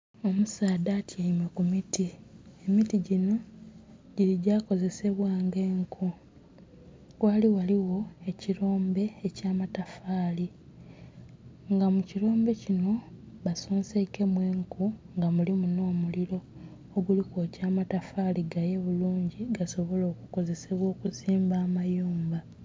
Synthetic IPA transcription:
o̞musaːdatʰjaimwekumitie̞mitiɟino̞ | ɟiɾiɟaːko̞ze̞se̞βwaːŋɡe̞ːŋkʰu | waliwaliwo̞e̞ciɾo̞ːmbe̞ːcaːmatafaːli | ŋɡamuciɾo̞ːmbe̞cino̞βasoːnseke̞mwe̞ːŋkuŋɡamulimuno̞ːmuliɾo̞ː | ɡulikoːcaːmatafaliɡaje̞βuluːɲɟiɡaso̞βo̞lo̞ːkuko̞ze̞se̞βwo̞ːkuziːmbaːmajuːmba

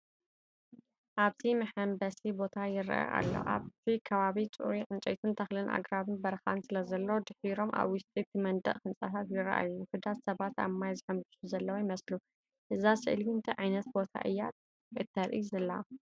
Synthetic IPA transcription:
ʔaβt̪ʰimɨħɐmbɐsibo̞t̪ʰajɪɾɐ̰ʔɐ̰ʔa̰lːo̰ʔa̰βt̪ʰikʰɐβaβit͡sʼuɾiʔʼɨnt͡ʃʼɐ̰jt̪ʰɨnt̪ʰɐxlɨnʔa̰ɡɾaβɨnbɐɾxansɨlɐzɐlːwd̪ɨħiɾo̞mʔa̰βwɪst̪ʼit̪ʰimɐnd̪ɐ̰ʔkɨnsʼat̪ʰat̪jɪɾɐ̰ʔa̰juħɨd̪at̪sɐβat̪a̰mːajzɨħɨmbɨsuzɐlːɐwojɪmɐslu | ʔɨzasɨ̰ʔlint̪ʰɐʕajnɐt̪bo̞t̪ʰa̰ʔɨjːat̪̚ | ʔɨt̪ʰːɐɾʔḭzɐlːɐa

